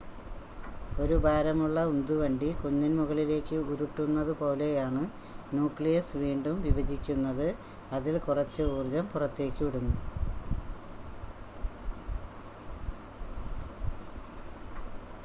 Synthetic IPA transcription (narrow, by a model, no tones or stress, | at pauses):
o̞ɾubʱaːɾɐmuɭːɐund̪uʋɐɳɖikuɲːinmuɣɐɭile̞ːkːɨuɾuʈːunːɐðɨpo̞ːle̞jaːɳɨ | nuːkɭijɐsʋiːɳɖumʋiʋɐd͡ʑikʲːunːɐðɨ | ɐðilkurɐt͡ɕːɨuːrd͡ʑɐmpurɐt̪ːe̞ːkʲːɨiɽunːu